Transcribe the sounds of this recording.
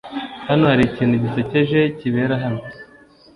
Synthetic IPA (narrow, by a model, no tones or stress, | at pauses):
hanohaɾiciːnduɟiseceʒe̞ciβe̞ɾaɦano